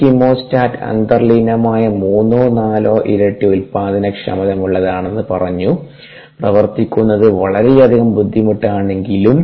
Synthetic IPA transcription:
kimoːstaːtɐ̰nd̪ɐrlinɐmaːjɐmuːnːoːnaːloːʔiɾeʈːiulpaːðinɐkʂɐ̰mɐðɐmuɭːɐðaːɳe̞nːɨpɐrɐɲːu | prɐʋɐrt̪ikʲːunːɐðɨʋɐɭɐɾejɐd̪ʱiɣɐmbud̪ʱːimuʈːaːɳe̞ŋɡilum

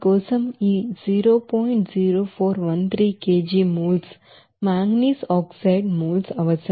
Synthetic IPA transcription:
ɡoːsəmiziːɾoːpɔːɪɳʈziːɾoːfʰoːɾʋɐnt̪ʰɾiːkeːd͡ʒimuːls | maːŋɡniːsɔːksaɪɖmuːlsɐʋəsə

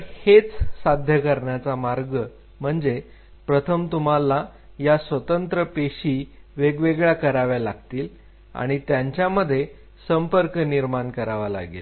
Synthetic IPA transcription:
het͡ssad̪ʱjəkəɾɳjat͡samaɾɡə | m̤əɳd͡ze | pɾət̪ʰəmt̪um̤ala | jasʋət̪ənt̪ɾəpeɕiːʋeɡʋeɡɭjakəɾaʋjalaɡ̚t̪iːl | a̰ɽ̃it̪jaɲt͡ɕjaməd̪ʱːje | səmpəɾkniɾmankəɾaʋala̰ɡḭl

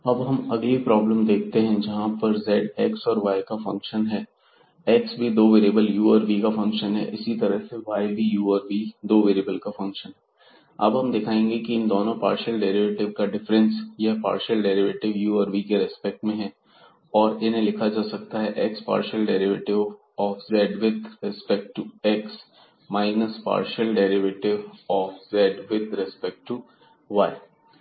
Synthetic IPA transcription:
ɐbɦɐmɐɡlipɾɔːbləmd̪eːk̚ʰt̪eɦɛ̃d͡ʒɐɦãpɐɾzɛːɖɛːksɔːɾʋaːɪkafɐ̰̃ŋkʃənɦɛː | ɛksbʱid̪oːʋeɾibəljuːəɾbikafɐ̃ŋkʃənɦɛ̰ʔɪsit̪ɐɾəɦseʋaːɪbʱijuːəɾbid̪oːʋeːɾiːbəlkafɐ̃ŋkʃənɦɛ | ɐ̰bɦɐmd̪ɪkʰaːẽːŋɡekiɪ̃nd̪oːnõpa̰ːɾʃəlɖɛːɾɪʋeːʈɪʋkaɖɪfɾə̃nsjɛɦpa̰ːɾʃəlɖeːɾɪʋeːʈɪʋjuːəːɾbikeɾɛspɛk̚ʈmẽɦɛː | ɔːɾɪnɦẽlɪkʰad͡ʒaːsɐk̚t̪aɦɛʔɛkspa̰ːɾʃəlɖɛːɾɪʋeʈɪʋ | ɔːfzɛːɖʋɪd̪ɾɪspɛk̚ʈʈːuɛks | maːɪnəspa̰ːɾʃəlɖɛːɾɪʋeːʈɪʋɔːfzɛːɖʋɪd̪ɾɛspɛk̚ʈʈːu | ʋaːɪ

